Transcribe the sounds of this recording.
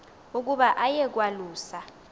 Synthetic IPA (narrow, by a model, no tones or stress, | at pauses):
uk̬ʼuɓaʔajɛk̬waluːsa